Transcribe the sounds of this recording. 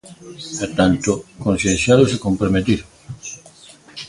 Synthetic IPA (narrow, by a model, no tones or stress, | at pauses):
et̪ant̪okõnθjẽnsθjalosekompɾomet̪iɾ